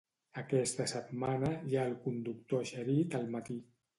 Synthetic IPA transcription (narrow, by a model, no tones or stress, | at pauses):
əkɛst̪əsət̪manəjaəlˠkund̪uk̚t̪oʃəɾit̪əlˠmət̪i